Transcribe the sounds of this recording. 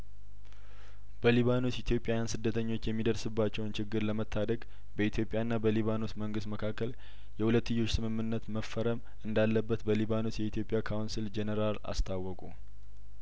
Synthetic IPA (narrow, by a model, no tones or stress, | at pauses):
b̥əliβanot̪jit̪ʰjo̞pʼjajansɨd̪ːət̪ʰəɲːo̞t͡ʃːjɛmːid̪əɾsɨbːat͡ʃːɛwnt͡ʃɪɡːɨɾləmət̪ʰːad̪əɡ | bəit̪ʰjo̞pʼːjaɨnːabəliβanot̪məŋɡɨst̪məkʰakːəl | jɛhulət̪ːɨjːo̞t͡ʃːsɨmɨmːɨnːət̪məfːəɾəm | ɨnd̪alːəbːət̪bəliβanot̪jɛit̪ʰjo̞pʼːjakʰawunsild͡ʒenəɾala̰st̪ʰawːɔkʼu